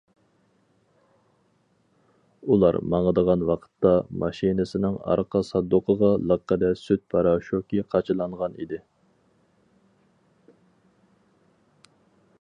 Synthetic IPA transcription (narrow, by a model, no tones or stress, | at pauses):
ulˠɑ̰ɾmɑŋəd̪əʁɑnwɑqʰə̥t̪ːɑmɑʃinɪsɪnɪŋɑ̰ɾqʰɑsɑd̪ːʊqʰəʁɑlˠəqʰːəd̪ɛsyt̪̚pʰɑɾɑʃokʲiqʰɑt͡ʃʰɨlˠɑɴʁɑnḭd̪ɪ